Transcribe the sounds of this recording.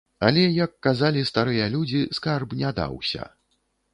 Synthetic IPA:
alʲɛjɐkːazalʲist̪aɾɨjɐlʲud͡zʲiskarbnʲad̪a̰wsʲɐ̰

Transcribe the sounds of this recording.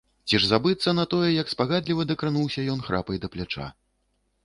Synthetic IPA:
t͡sʲiʐzabɨt̪sːɐnɐt̪ɔjɛjɐkspaɣad̪lʲivɐd̪ɐkɾanuwsʲɐjɔn̪xɾʔa̰pɐjd̪ɐplʲat͡ʂa̰

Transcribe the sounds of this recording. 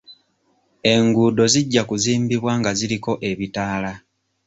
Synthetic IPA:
e̞ŋɡuːdo̞ziɟːakuziːmbiβwaːŋɡaziɾiko̞ʔe̞βitaːla

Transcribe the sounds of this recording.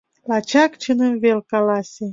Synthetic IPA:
lɑt͡ɕɑkt͡ɕənəmvelkɑlɑsʲe

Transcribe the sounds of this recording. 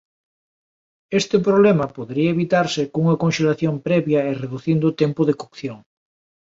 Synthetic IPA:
est̪ɪpɾoβlemɐpoðeɾiɐeβit̪aɾsɪkouŋɐkõnʃelaθjompɾɛβjɐereðuθind̪ʊt̪ɛmpʊðekokθjoŋ

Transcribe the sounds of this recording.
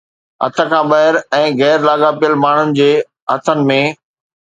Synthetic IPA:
ɦɐ̰t̪ʰə̆kʰãɓɐɦɪɾɛ̃ːɣɛːɾlaːɠapijəlmaːɳ̤ʊnɪ̆d͡ʑeː | ɦɐt̪ʰənɪ̆mẽ

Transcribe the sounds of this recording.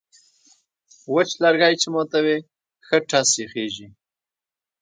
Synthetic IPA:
wət͡ʃlaɾɡajt͡ʃemot̪awe | xəʈasexeʒi

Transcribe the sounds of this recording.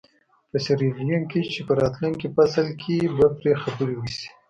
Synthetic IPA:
pəseɾelijaŋkit͡ʃepəɾɑt̪luŋkipasalkʰibapɾexabəɾiwisi̥

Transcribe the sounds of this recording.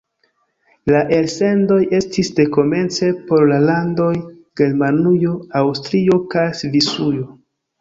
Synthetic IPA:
laʔe̞lse̞ndo̞je̞stisde̞ko̞me̞nt͡se̞po̞ɾlalando̞j | ɡ̥e̞ɾmanujo̞awstɾio̞kajsvisujo

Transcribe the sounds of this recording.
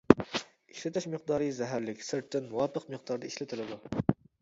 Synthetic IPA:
iʃlɪt̪ʰɪʃmɪqd̪ɑːɾɨjzɛɦæɾlɪkʲsɪɾt̪ʰːɪnwɑːpʰəqməqd̪ɑɾd̪ɛiʃlɪt̪ʰɪlɪd̪u

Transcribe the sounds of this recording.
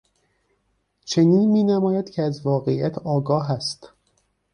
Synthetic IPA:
t͡ʃʰe̞niːnmiːnæmɒːjæd̪̥cʰeæzvɒːɣe̞ijæt̪ʰɒːɡɒːɦæst̪

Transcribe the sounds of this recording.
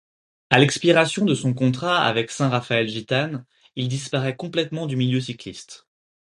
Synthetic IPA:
alɛkspiʁasjɔ̃d̪əsɔ̃kɔ̃t̪χaa̰vɛksɛ̃ʁafaɛlʒit̪an | ild̪ispaʁɛkɔ̃plɛt̪mɑ̃d̪ymiljøs̬iklist̪

